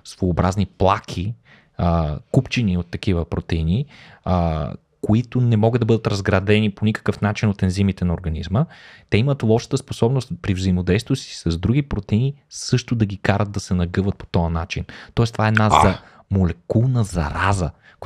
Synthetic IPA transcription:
svoːbɾazniplˠakʰi | əkupt͡ʃiniot̪ːɐkivəpɾot̪ɛini | koit̪ʊnɛmɔɡəd̪ɐbɤd̪ət̪ɾɐzɡɾɐd̪ɛniponikə̥kəfnat͡ʃinot̪ɛnzimit̪ɛnɐoɾɡɐnizmət̪ɛimət̪lˠɔʃə̥t̪əsposɔbnost̪pɾivzɐimod̪ɛjst̪vosi̥sɐzd̪ɾuɡipɾot̪ɛinisɤʃt̪ʊd̪ɐɡikaɾəd̪̚d̪ɐsɛnɐɡɤvət̪̚po̥t̪ɔənat͡ʃint̪ɔɛst̪ovaɛːd̪nazɐ | molɛkulˠnəzɐ̰ɾazə | k

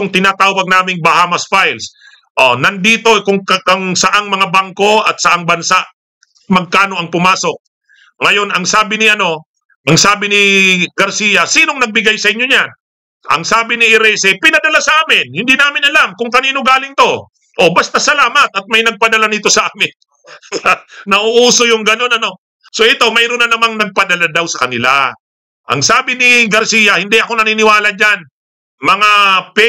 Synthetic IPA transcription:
ʊŋt̪ɪnat̪aːwɐɡ̚naːmɪŋbɐhaːmɐsfajls | ʔonɐnd̪iːt̪o̞kʊŋkʔɐŋsɐʔaŋmɐŋabaŋko̞ʔɐt̪̚sɐʔaŋbɐnsaʔ | mɐɡ̚kaːno̞ʔɐŋpʊmaːso̞k̚ | ŋɐjo̞nʔɐŋsaːbɪnɪʔɐno̞ | ʔɐŋsaːbɪnɪɡɐɾsiːjɐsiːno̞ŋnɐɡ̚bɪɡajsɐʔɪɲo̞ɲan | ʔɐ̰ŋsaːbɪnɪʔɪɾɛsɛpɪnɐd̪ɐlasɐʔaːmɪnhɪnd̪iːnaːmɪnɐlamkʊŋkɐniːno̞ɡaːlɪŋt̪o̞ | ʔo̞bɐst̪asɐlaːmɐt̪̚ɐt̪̚mɐjnɐɡ̚pɐd̪ɐlanɪt̪o̞sɐʔaːmɪn | sɐnɐʔʊʔuːso̞jʊŋɡɐno̞nɐno̞ | so̞ʔɪt̪owmɛjɾonɐnɐmaŋnɐɡ̚pɐd̪ɐlad̪awsɐkɐnɪla̰ | ʔɐ̰ŋsaːbɪnɪɡɐɾsiːjɐhɪnd̪iʔɐko̞nɐninɪwaːlɐd͡ʒan | mɐŋap

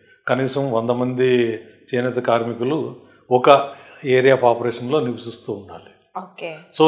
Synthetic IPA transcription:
kɐniːsɐmʋɐnd̪ɐmɐnd̪i | t͡ʃeːnɐt̪ɐkaːɾmikulu | ɔkɐeːɾijaːpaːpɐɾeːʂɐnlo̞ːniʋisist̪uːɳɖa̰ːli | oːkesoː

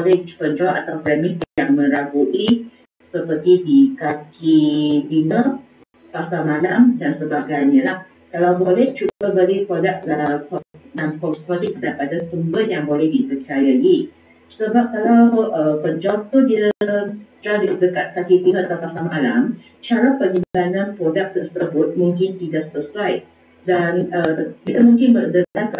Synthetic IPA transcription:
bolɛhpəɲd͡ʒɔpa̰t̪awpɾɛmik̪̚jaŋmə̃ɾaɡuʔi | səpərt̪idikakit̪inə | pasamalamdansəbaɡajɲəlah | kalawbolɛht͡ʃubəbəɡipɾodaʔlaakɔnankɔskɔdɛk̚dajpadasəmbət̪̚jaŋbolɛhdipərt͡ʃajaʔi | səbap̚kalawʔəpəd͡ʒɔp̚t̪udiat̪ɾadidəkat̪̚kakit̪iŋaat̪awpasamala̰m | t͡ʃaɾapəɲibananpɾodak̚t̪əst̪ɾəbʊt̪̚muŋkɪnt̪idaʔsəsuaj | danəkit̪amuŋkɪnbədəkdat̪

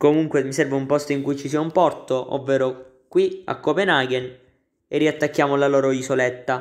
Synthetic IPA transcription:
komuŋkwemisɛrveumpɔst̪oiŋkujt͡ʃisiɛumpɔrt̪oʔo̰vːeːɾo | kwia̰kːopenaːɡen | erːiat̪ːakːjaːmolaloːɾoizolɛt̪ːa

